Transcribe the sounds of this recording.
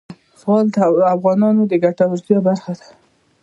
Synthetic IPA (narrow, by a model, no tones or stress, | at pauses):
sɑld̪afɣɑnɑnod̪əɡaʈawaɾt̪jɑbaɾxad̪ḁ